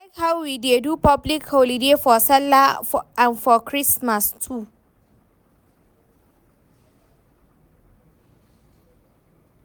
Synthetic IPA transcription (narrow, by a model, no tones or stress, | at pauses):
akhawwidedupɔblikholidefɔsɛlaãnfɔkʰɹismastʰu